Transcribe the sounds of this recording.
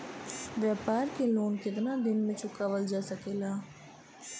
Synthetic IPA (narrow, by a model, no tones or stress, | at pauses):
ʋjaːpaːɾkeloːnkɪt̪nad̪ɪnmẽt͡ʃʰʊkaːʋəld͡ʒaːsəkeːlaː